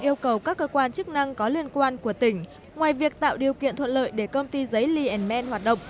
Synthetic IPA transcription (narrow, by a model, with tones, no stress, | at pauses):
ʔi˧əwkə˨˩wkaː˦˥kːəː˧kwaː˧nt͡ɕɨ˦˥k̚na˧ŋkɔ˨˦li˧ənkwaː˧nku˧˩ət̪ï˧˩ŋ̟ | ŋwaː˨˩jvi˨˩ək̚t̪a̰ː˧˨wɗi˨˩əwkḭ˧˨ənt̪ʰwə̰˧˨nlə̰ː˧˨jɗe˧˩kə˧wŋ͡mt̪i˧zə˨˦jli˧ʔɛ˨˩nmɛ˧nhwaː˨˩t̚ɗə̰˧˨ŋ͡m